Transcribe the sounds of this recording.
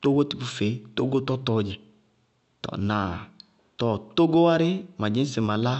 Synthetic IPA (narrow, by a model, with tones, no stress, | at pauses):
to˦ɡo˦ti˨bu˨fe˨˦to˦ɡo˦tɔ˦tɔ˨˦d͡ʒɪ˨ | tɔ̰˨na˨ | tɔ˨to˦ɡo˦wa˦ɾɪ˦ma˨d͡ʒɪ̃˦sɪ˨ma˨la˦